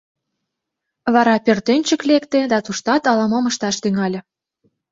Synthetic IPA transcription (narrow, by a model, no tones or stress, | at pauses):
βɑɾɑpørt̪enʲt͡ɕə̆klekt̪ed̪ɑt̪uʃt̪ɑt̪ɑlɑmoməʃt̪ɑʃt̪yŋɑlʲ